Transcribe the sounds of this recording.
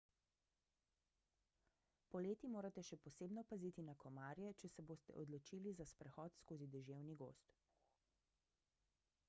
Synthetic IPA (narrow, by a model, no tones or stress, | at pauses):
pɔleːt̪imoːɾat̪ɛʃɛpɔseːbnɔpaziːt̪inakɔmaːɾjɛt͡ʃɛsɛboːst̪ɛ̰ʔɔd̪lɔt͡ʃiːlizaspɾɛxɔːt̪skoːzid̪ɛʒeːwniɡo̰ːst̪